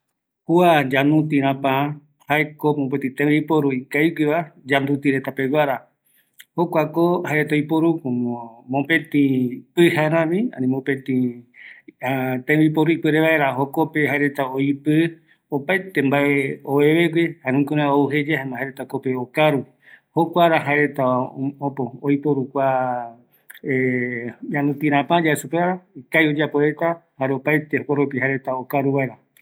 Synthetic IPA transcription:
huad͡ʒanũt̪̬ĩɾãpãã | haekomõp̬et̪ĩt̪ẽβipoɾuikajɡʷiβad͡ʒand̪ut̪iɾe̞t̪ape̞wʷaɾa | hokʷakohaeɾet̪aipoɾukomõpẽt̪ĩpɨhaɾãmĩã̰nĩmõpẽt̪ĩ | at̪ẽβipoɾuipɨɾeβaeɾaɦokopeɦaeɾe̞t̪aoipɨ | opajt̪embaʔeoβeβeɡwihaɾũkoɾãouɦed͡ʒehamãhaɾet̪akopeokaɾu | hokʷaɾaɦaeɾe̞t̪aopooipoɾukʷa | ejãnũt̪ĩɾ̃ãpãd͡ʒaesupeaɾaikajod͡ʒapoɾet̪ahaɾeopajt̪ehokoɾopiɦaɾe̞t̪aokaɾuβaeɾa

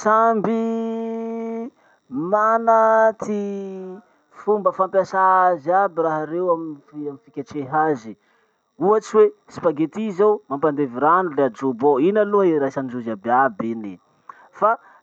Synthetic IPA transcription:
sambi | manat̪i | fumbəfampjasaaziabiraɦaɾewamiamifikʲat͡ʃeɦazi | uat͡ʃiwesi̥paɡet̪izawmampand̪eviɾanulead͡ʒoboinaluəeɾajsand͡ʒuzabeabeni | fa

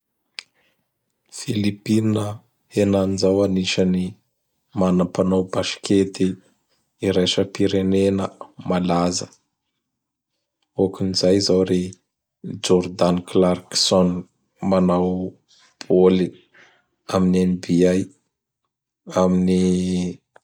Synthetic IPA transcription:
filipinə | henanizawaniʃəni | manəpanawbaʃkʰet̪iː | ɾaʃəpiɾenenəmalazə | okunizajzawɾe | d͡ʒɔɾd̪anklarksɔn | manaw | b̥oli | aminenbiaj | amini

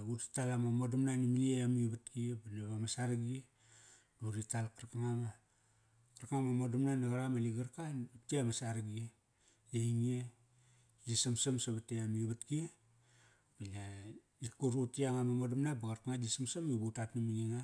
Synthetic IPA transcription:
ɡutitalamamodamnanimiliejamibatkiebalaβamasaɾaɡie | duɾitalkaɾkaŋama | kaɾkaŋamamodamnanaɡaɾamaliɡaɾkanitiamasaɾaɡie | jaiŋie | d͡ʒisamsamsaβatejamiβatkie | b̥ala | ikuɾutiaŋamamodamnabaɡaɾkaŋadisamsamibutatnimiliŋa

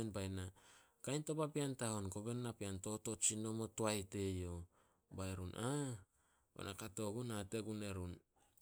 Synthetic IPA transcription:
nbajna | kajnto̞papiantaho̞nko̞be̞nːapianto̞to̞t͡ʃino̞mo̞toajte̞jo̞ | baeɾunʔa | bo̰nʔakato̞ɡunate̞ɡune̞ɾun

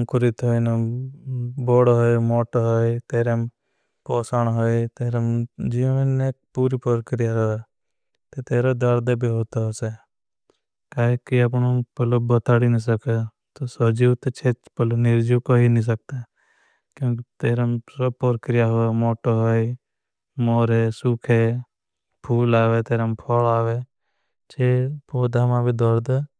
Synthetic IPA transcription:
ŋkuɾit̪ɦojna | boːɽɦojmoːʈoɦojt̪eːɾem | pɔːsaɳ̃ɦoit̪eːɾemd͡ʒiːʋəneːk̚puːɾipɔɾkɾijaɾoa | t̪et̪eːɾod̪əɾd̪ebʱiɦoːt̪aɦose | kaːɦekiap̬ɳopəlobət̪aːɽinis̬əke | t̪osod͡ʒiːwt̪et͡ʃʰeːpəlonɪɾd͡ʒukoɦinĩːs̬ək̚t̪a | kjõːkit̪eːɾamsəbpoɾkɾɪjaɦomoːʈoɦoi | moːɾeːsuːkʰeː | pʰuːlaːʋet̪eːɾampʰɔlaːʋeː | t͡ʃʰeːpoːd̪ʱamãbʱiːd̪ɔɾd̪e

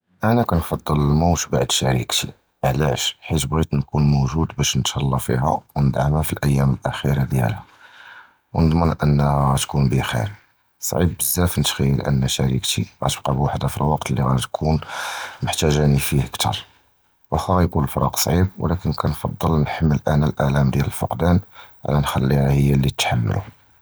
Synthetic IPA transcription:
ʔænækænfɑd̪ˤːəlmowt̪baʕd̪ʃæɾḭkt̪i | ʔʕlæʃħit̪bɣit̪nkunmoʒud̪bæʃnət̪ʃɑlˤːɑfḭɦæ̰wnəd̪ʕamhæfilʔæjːæməlʔæxiɾɑd̪jæ̰lhæ | wnəd̪ˤmənʔənːɣɣæt̪kunbixḭɾ | sˤʕḭbːəzːæfnət̪xæjːəlʔə̰nːæʃæɾḭkt̪iɣæ̰t̪əb̚qɑbwaħd̪æfilwɑqt̪əlːiɣæt̪kʰunmʊħt̪æʒænifihkt̪ʰɑ̰ɾˤ | wæxɑɣæjkunəlfɾˤɑ̰qsˤʕib̚w̰lækənkænfɑd̪ˤːəlnħəmːəlʔænælʔæʕlæmd̪jæləlfə̰qd̪ænʕ̰lænxælːihæhəjːælːit̪ħamːə̰lṵ

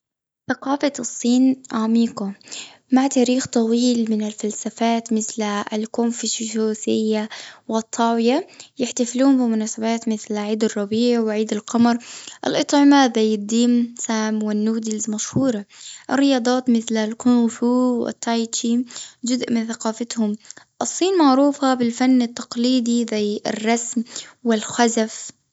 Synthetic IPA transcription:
θaqɑːfasˤːiːnʔamiːqʊmaʕt̪aːɾiːxt̪ˤɑwiːlmɪnɪlfalsafaːt̪mɪθlalkomfɪʃʃuːθɪjːawɪt̪ˤʰːɑːwɪjajɪħt̪afluːmbɪmʊnaːsabaːt̪mɪθlʕiːd̪ɑrˤːɑbiːʕwɪʕiːd̪ɪlqɑmɑɾˤʔɪ̰lʔɨt̪ˤʕɪmaðajːɪd̪ːiːmsaːmwɪnːuːd̪ɪlzmaʃhuːɾˤɑʔɪrːɪjɑːd̪ˤɑːt̪mɪθlalkʊnfuwɪ̰t̪ʰːajt͡ʃimd͡ʒʊzʔmɪnθaqɑːfat̪hʊmʔɨsˤːiːnmaʕɾuːfabɪlfanːɪt̪ːɑqliːd̪iðajɪ̰rˤːɑsmwɪlxazaf

